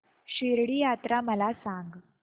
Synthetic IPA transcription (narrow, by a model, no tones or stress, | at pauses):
ɕiɾɽiːjat̪ɾaməlasaŋɡ